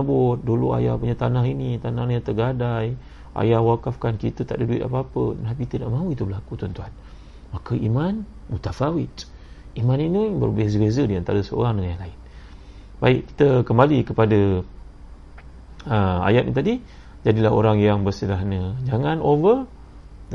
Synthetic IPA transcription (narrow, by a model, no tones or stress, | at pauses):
əbʊt̪̚dulua̰japuɲat̪anaɦinit̪anahniɲat̪əɡadaj | ʔa̰jahwakafkankit̪ət̪a̰ʔdəduit̪̚a̰papənap̬it̪əna̰ʔmãuit̪ubəlakut̪ɔnt̪uan | makəʔiman | mut̪afawɪt̪ | imaninibə̰rbezəbezədiant̪aɾəsəo̰ɾaŋdəŋanjaŋlaɪn | baɪʔki̥t̪əkəmbalikəpadə | əa̰jat̪̚nḭt̪adi | d͡ʒadilaɦo̰ɾaŋjaŋbərsəlaɦnəd͡ʒaŋanʔovər